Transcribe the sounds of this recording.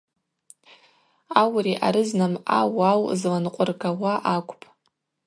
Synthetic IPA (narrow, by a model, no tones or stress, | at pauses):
awriʔa̰ɾɨznama̰wawzlanqʷʼʊrɡawaʔakʷʼpʼ